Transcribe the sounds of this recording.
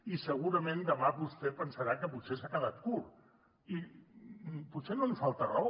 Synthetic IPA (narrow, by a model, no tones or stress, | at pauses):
isəɣuɾəmend̪əmaβust̪epənsəɾakəputsesakəðat̪̚kuɾ | i | putsenonusfalˠt̪əra